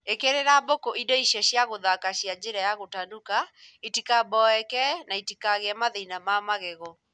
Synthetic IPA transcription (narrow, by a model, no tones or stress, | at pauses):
ekeɾeɾabokoʔidɔiʃɛɕjaɣoðakaʃiad͡ʒeɾajaɣotandukaitikabɔɛkɛnaitikaɣeamaðeinamamaɣeɣɔ